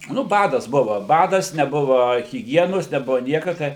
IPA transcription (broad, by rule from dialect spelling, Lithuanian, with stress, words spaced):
nʊ ˈbɑːdɐs ˈbʊʋɐ ˈbɑːdɐs nʲɛˈbʊʋɐ ɣʲɪˈɡʲiɛnoːs nʲɛˈbʊʋoː ˈnʲiɛkɐ ˈtɐɪ